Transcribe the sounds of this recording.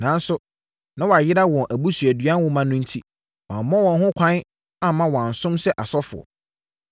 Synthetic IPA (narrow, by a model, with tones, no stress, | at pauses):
nã˨n˦sʊ˦ | nã˦wɔ˨a˨jɪ˦ɾa˦wɔ̃˨nʔæ˨bu˦sɥæ˨dɥã˦n˦wʊ˦mã˦nʊ̃˦n̩˦tʰi˦ | wã˨m˨mɔ̃˦wɔ̃˨nɦʊ̃˦kʷʰã˦n | a˦˨mã˦wɔ̃˨ã˨n˨sʊ̃˦msɛ˦ʔa˨sɔ˦fʊ̰˨ɔ̰˨